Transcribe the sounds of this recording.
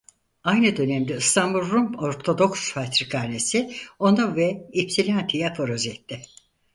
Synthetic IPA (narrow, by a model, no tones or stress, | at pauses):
ajnɯd̪ø̞nɛmd̪ɛɯst̪ʰanbulˠɾumpo̞ɾt̪ʰod̪o̞ksfat̪ɾikʰaɾnesɪo̞nuvɛipsilʲant̪ʰijapʰoɾozɛt̪ʰːɪ